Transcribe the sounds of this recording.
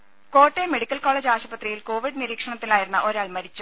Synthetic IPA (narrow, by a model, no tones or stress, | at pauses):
ko̞ːʈːeme̞ɽikʲːɐlkoːɭeːd͡ʑaːɕɐbɐt̪rijilko̞ːʋiɽniɾiːkʂɐɳɐt̪ːilaːjiɾunːɐʔo̞ɾaːɭmɐɾit͡ɕːu